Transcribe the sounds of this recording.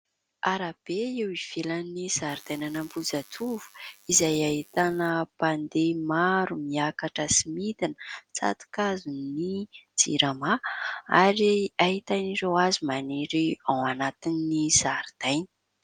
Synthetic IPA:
aɾab̥eewiv̥elanizaɾid̪̥ajnanambud͡zat̪ʰuvu̥izajaɦit̪anəpand̪emaɾumiakaʈ͡ʂəsimit̪inət͡sa̰t̪u̥kazunid͡zḭɾamaaɾiaɦit̪aniɾewazimaneɾiawanat̪innizaɾd̪̥ajnə̥

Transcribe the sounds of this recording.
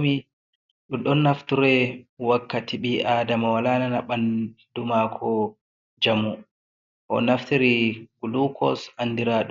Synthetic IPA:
mi | ɗuɗɔnːaftuɾɛwakːatiɓiʔaːdamawalananaɓan | dumakʰɔ | d͡ʒamu | ʔɔ̰naftiɾiɡulukʰɔ̰sanːdiɾaɗu

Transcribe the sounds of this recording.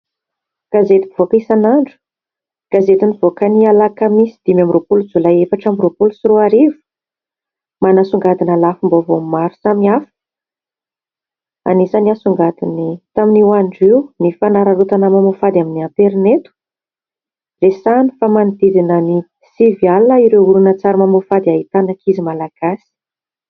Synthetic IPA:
ɡ̥azet̪i̥v̥okisanaɳɖ͡ʐu̥ | ɡ̥azet̪univ̥okənialakamisid̪̥imjamropulud͡zulaefaʈ͡ʂamropulusiɾuaɾivu̥ | manasuŋɡad̪inalafimbovomaɾu̥samiafə̥ | a̰nisaniasuŋɡad̪init̪aminiaɳɖ͡ʐiwnifanaɾərut̪anamamofad̪iaminiant̪eɾinet̪u̥ | resani̥famanid̪id̪inəni | sivjalnəiɾeuɾunət͡saɾamamofad̪iait̪anakʰizimalaɡ̥asi̥

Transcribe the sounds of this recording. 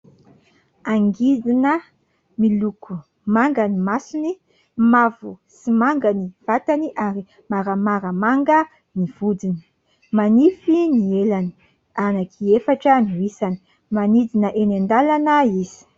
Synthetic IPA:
aŋɡid͡zinə | miluku | maŋɡanimasuni | mavusimaŋɡaniv̥at̪aniʔaɾi | maɾamaɾəmaŋɡə | niv̥ud͡zini̥ | manifinielani̥ | anakʰiefaʈ͡ʂəniwisani̥ | manid͡zinəʔenand̪alanaiz̥i̥

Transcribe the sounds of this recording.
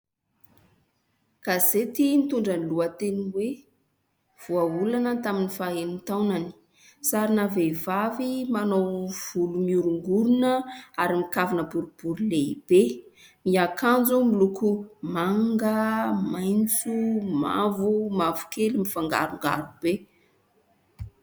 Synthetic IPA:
kazet̪int̪uɳɖ͡ʐanluat̪eniwe | v̥uaulanət̪aminifaenint̪awnani̥ | saɾinavevavimanowv̥ulumiuɾuŋɡuɾunəaɾimikavinəbuɾub̥uɾileib̥e | miakʰand͡zumilukumaŋɡəmajnt͡suma̰vumavu̥kelimifaŋɡa̰ɾuŋɡa̰ɾub̥e

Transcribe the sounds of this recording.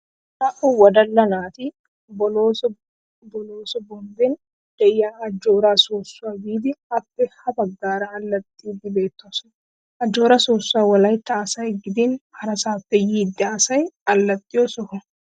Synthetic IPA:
nɐʔʊwɔd̪ɐlːɐnaːt̪ɪ | bɔloːs | bɔloːsɔbɔnd̪ɛn | d̪̥ɛjaːɐd͡ʒːo̞ːɾaːsoːsːʊaːɡiːd̪ɪɐpːɛhɐbɐɡːaːɾɐːlːɐt̪ʼːiːd̪ɪbe̞ːt̪ːosɔn | ʔɐd͡ʒːo̞ːɾasoːsːʊaːwɐlɐjt̪ːɐːsɐjɡɪd̪ɪnhɐɾɐsaːfːɛjiːd̪ːɪaːsɐjɐlːɐt̪ʼːɪjosɔkɔ

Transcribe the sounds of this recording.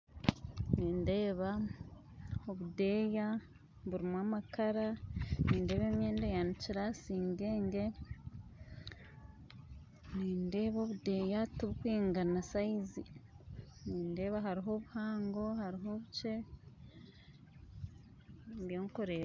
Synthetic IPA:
niːnde̞ːβa | oβude̞ːja | βuɾimwaːmakaɾaniːnde̞ːβe̞ːmje̞ːndejaniciɾasiːŋɡe̞ːŋɡe̞ | niːnde̞ːβo̞ːβude̞ːjatuβukwiːŋɡanasaizi | niːnde̞ːβaɦaɾiɦo̞βuhaːŋɡo̞haɾiɦo̞βut͡ʃe̞ | βjoːŋkoɾe̞ːɾa

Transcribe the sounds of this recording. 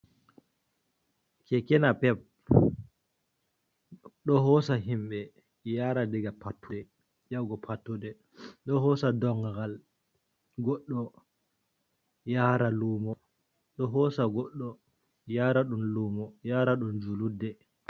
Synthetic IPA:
kɛkɛnapɛp̚ | ɗɔɦɔsaɦimɓɛ | jaːɾadɛɡapatːudɛ | jawɡɔpʰatːudɛ | ɗɔɦɔsadɔŋɡal | ɡɔɗːɔ | jaːɾalumɔ | ɗɔɦɔsaɡɔɗːɔ | jaɾaɗumlumɔjaːɾaɗund͡ʒuludːɛ

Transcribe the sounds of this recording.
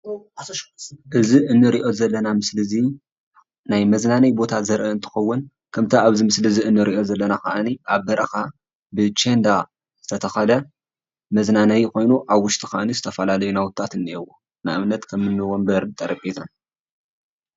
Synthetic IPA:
ʔɨziɨnːɨɾiʔo̞zɐlːɐnamɨslɨzi | najmɐznanɐjbo̞t̪ʰazɐɾʔɨɨnt̪ʰɨ̥xɐwːʊn | kʰɐmt̪ʰɐaβzimɨslɨziɨnːɨɾiʔo̞zɐlːɐnaka̰ʔɨniʔaβbɐɾʔɐxa | bɨt͡ʃend̪a | z̥ɨt̪ʰɐt̪ʰɐxɐlɐ | mɐznanɐjkʰo̞jnuʔaβwʊʃt̪ʼixaʔanizɨt̪ʰɐfɐlalɐjunawʊt̪ʼːat̪ɨnːɨewo | na̰ʔɨmnɐt̪kʰɐmːɨnːɨwombɐɾt̪ʼɐɾɐpʼet̪ʰan

